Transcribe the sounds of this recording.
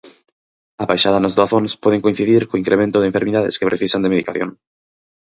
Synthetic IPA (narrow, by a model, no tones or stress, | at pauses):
aβajʃaðanazðoaθonspɔðeŋkoin̟θiðiɾkoiŋkɾemẽnt̪ʊðẽɱfeɾmiðaðḛskepɾʔeθisand̪emeðikaθjõ̰ŋ